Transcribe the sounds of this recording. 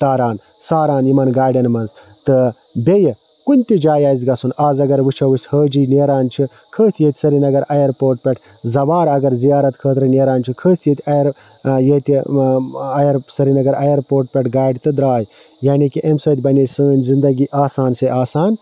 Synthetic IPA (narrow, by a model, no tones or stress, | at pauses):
t̪aːɾaːn | saːɾaːnimɐnɡaːɖʲɐnmɐnz | t̪ɨ | bʲejɐ | kunʲt̪id͡ʒaːjɐːjzɡɐsunaːzɐɡɐɾʋɨt͡ʃʰɐʋɨsʲhəːd͡ʒiːneːɾaːnt͡ʃʰi | kʰəːt̪ʰjet̪ʲsɐɾinɐɡɐɾɐjɐɾpoːɾʈ̚pʲɐʈʰ | zɐʋaːɾɐɡɐɾzijaːɾɐt̪kʰəːt̪ɾɨneːɾaːnt͡ʃʰikʰəːt̪ʰjet̪ʲɐjɐɾ | jeːt̪i | ɐjɐɾsɐɾinɐɡɐɾɐjɐɾpoːɾʈ̚pʲeʈʰɡaːjɖʲt̪ɨd̪ɾaːj | jaːnikiʔemsɐːt̪ʲbɐnisəːnʲzind̪ɐɡiʔaːsaːnseʔaːsaːn